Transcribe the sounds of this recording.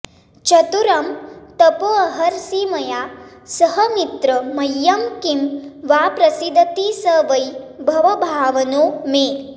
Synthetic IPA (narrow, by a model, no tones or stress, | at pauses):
t͡ʃɐt̪uɾɐmt̪ɐpoɐɦɐɾsimɐjaːsɐɦɐmit̪ɾɐmɐjːɐmkimʋaːpɾɐsid̪ʱɐt̪iːsɐːʋɐjbʱɐʋɐbʱaːʋɐnoːmeː